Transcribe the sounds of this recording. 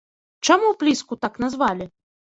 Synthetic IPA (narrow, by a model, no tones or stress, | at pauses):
t͡ʂamuplʲiskut̪aknazvalʲi